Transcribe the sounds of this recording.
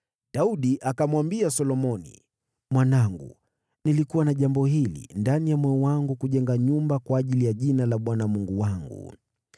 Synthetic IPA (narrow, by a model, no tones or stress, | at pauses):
ɗauɗiʔakamwambiasɔlɔmɔnḭ | mwanaŋɡṵ | nilikuwanaʄambɔhilḭndanijamwɛɔwaŋɡukuʄɛŋɡaɲumbakwaːʄilijaʄinalaɓwanamuŋɡuwaŋɡṵ